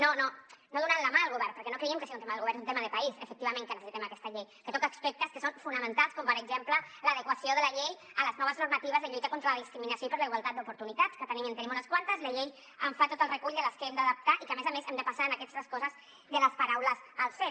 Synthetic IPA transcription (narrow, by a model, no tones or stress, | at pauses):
nononoðunanlamalˠɣuβɛɾpəɾkɛnokɾeiəmkəsiaunt̪emaðəlɣuβɛɾneunt̪emaðəpaisə̰fək̪̚iβamẽŋkənəsesit̪ɛmakɛst̪ɐʎejkət̪ɔkaːkspɛk̚t̪əskəsonfunəmənt̪alˠskɔmpəɾəɡzemplələðəkwasioðəlɐʎej | ələznɔβəznuɾmat̪iβəzðəʎujt̪əkont̪ɾalaðiskɾiminasjoipəɾləiɣwalˠt̪at̪̚d̪upuɾt̪unit̪at̪skət̪nimẽnt̪ənimunəskwant̪əzləʎej | əɱfat̪ot̪əlrekuʎd̪ələskəɛmd̪əaðap̚t̪aʔikəmezamezɛmd̪əpasaənakɛst̪əskɔzəz | ðələspaɾawləzəlˠfe